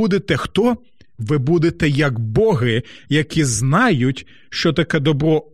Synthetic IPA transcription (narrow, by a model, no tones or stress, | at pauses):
ud̪et̪ɛxt̪ɔ | ʋɪbud̪et̪ɛjɐɡbɔɦɪjɐkʲiznɑjʊtʲ | ʃt͡ʃɔt̪ɐkɛd̪ɔbɾɔ